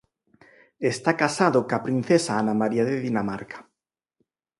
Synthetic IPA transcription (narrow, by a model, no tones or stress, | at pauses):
est̪akasaðʊkapɾin̟θesaanamaɾiaðeðinamaɾkḁ